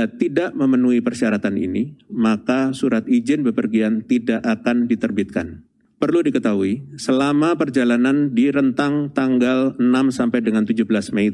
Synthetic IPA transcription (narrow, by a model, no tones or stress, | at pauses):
t̪idaʔməmənuipərʃiaɾat̪anḭnimakasuɾat̪id͡ʒɪnbəpərɡiant̪idaʔakandit̪ərbit̪̚kan | pərludikət̪aɦuisəlamapərd͡ʒalanandiɾənt̪aŋt̪aŋɡalənamsampajdəŋant̪ud͡ʒubəlasmei